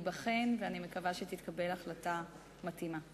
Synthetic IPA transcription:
baχe̞nveanime̞kavaʃet̪it̪kabe̞laχlata | matima

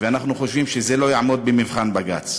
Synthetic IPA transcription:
veanaχnuχo̞ʃvimʃeze̞lo̞jaʕmo̞d̪̚bemivχanbaɡa̰t͡s

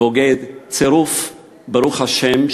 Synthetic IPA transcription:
oɡɛd̪t͡seɾuf | beɾuχhaʃɛm

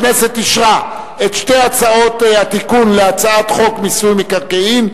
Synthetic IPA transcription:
neset̪iʃʁa | et̪ʃteat͡sao̞tat̪ikunleat͡saat̪χo̞kmisulmikaʁkeim

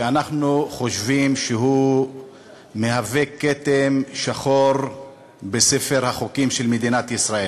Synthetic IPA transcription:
eanaχnuχo̞ʃvimʃeɦu | mehaveket̪emʃaχo̞ɾ | be̞sefe̞ʁhaχokimʃelmed̪inat̪jisʁael

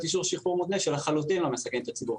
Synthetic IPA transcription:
t̪iʃ̬uʁʃiχuʁmud̪neʃelaχalut̪imlomesakent̪at͡sibuʁ

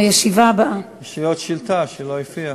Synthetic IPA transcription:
jeʃivabaʔajeʃiot̪ʃilt̪aʃelojifia

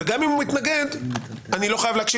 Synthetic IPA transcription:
eɡamimumit̪naɡe̞d̪anilo̞χajavleːkʃi

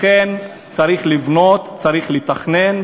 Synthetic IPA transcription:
en | t͡saʁiχlivno̞t̪t͡saʁiχlit̪aχne̞n

